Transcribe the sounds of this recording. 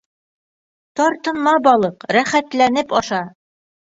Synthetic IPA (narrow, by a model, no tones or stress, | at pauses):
t̪ɒɾt̪ɤ̆nmɑbɒlˠɤqɾæχæt̪lænɘpɒʃɑ